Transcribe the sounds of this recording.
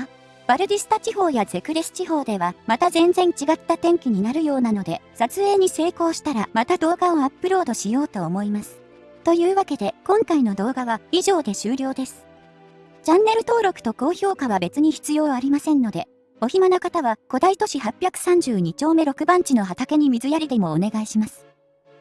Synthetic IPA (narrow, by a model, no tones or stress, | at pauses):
b̥aɾɯ̟d̪ʲisɨ̥t̪at͡ɕiɦo̞ːjaze̞kɯ̟ɾe̞sɨ̥t͡ɕiɦo̞ːd̪e̞βamat̪azẽ̞nd͡zẽ̞ɲ̟t͡ɕiɡat̪ːat̪ẽ̞ŋkʲiɲ̟inaɾɯ̟jo̞ːnano̞d̪e̞sat͡sɨe̞ːɲ̟ise̞ːko̞ːɕi̥t̪aɾamat̪ad̪o̞ːɡao̞apːɯ̟ɾo̞ːd̪o̞ɕijo̞ːt̪o̞ːmo̞imasɨ̥ | t̪o̞jɯ̟ːβake̞d̪e̞kõ̞ŋkaino̞d̪o̞ːɡaβaiʑo̞ːd̪e̞ɕɨːɾʲo̞ːd̪e̞sɨ̥ | t͡ɕãnːe̞ɾɯ̟t̪o̞ːɾo̞kɯ̟̥t̪o̞ko̞ːço̞ːkaβabe̞t͡sɨɲ̟içi̥t͡sɨjo̞ːaɾʲimasẽ̞nːo̞d̪e̞ | o̞çimano̞kat̪aβako̞d̪ait̪o̞ɕiɦapʲjakɯ̟̥sãɲ̟d͡ʑɨːɲ̟it͡ɕo̞ːme̞ɾo̞kɯ̟bãɲt͡ɕino̞ɦat̪ake̞ɲ̟imʲizɨjaɾʲid̪e̞mo̞ːne̞ɡaiɕimasɨ̥